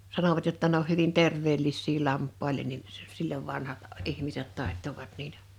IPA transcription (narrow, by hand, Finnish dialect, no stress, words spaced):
sɑnoʋɑt jotːɑ ne oh hyʋin terʋˑeːlːisːiː lɑmpːɑilen nin s s silːoʋ ʋɑnhɑt ihmiset tɑˑe̝tːoʋɑt niːtæ